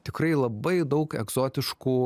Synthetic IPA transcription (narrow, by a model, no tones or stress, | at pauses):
t̪ʲɪkɾɐɪlˠɐbɐɪd̪ɐʊkɛ̰ɡz̥oːt̪ʲɪʃkuː